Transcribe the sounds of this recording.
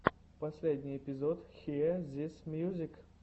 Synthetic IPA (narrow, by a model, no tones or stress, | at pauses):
pɐsʲlʲedʲnʲɪjɪpʲɪzot̪xʲizʲesʲmjuzʲɪk